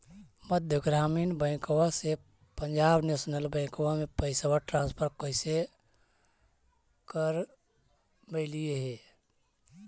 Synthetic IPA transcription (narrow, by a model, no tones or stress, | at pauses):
məd̪ʱjəɡɾaːmiːnbɛ̃ːkowase | pəɲd͡ʒaːbneːsnəlbɛ̃ːkowamẽpəɪsawaʈɾãːnspʰəɾ̚koɪse | kəɾ | meɪlieɦɛː